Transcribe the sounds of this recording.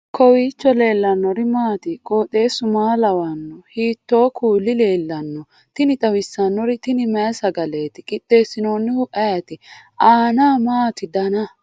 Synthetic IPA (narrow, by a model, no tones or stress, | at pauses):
kʰɔwiːt͡ʃːɔle̞ːlːɐnːɔɾɪmaːt̪ɪkʼoːt̪e̞ːsʊmaːlɐwɐnːɔhiːt̪ːo̞ːkʰuːlːɪle̞ːlːɐnːɔ | t̪ɪnɪt̪ʼɐwɪsːɐnːɔɾɪt̪ɪnɪmɛsɐɡɐle̞ːt̪ɪkʼɪt̪ːe̞ːsːɪnoːnːɪhʊʔɐjɐt̪ɪaːnaːmaːt̪ɪd̪ɐnɐ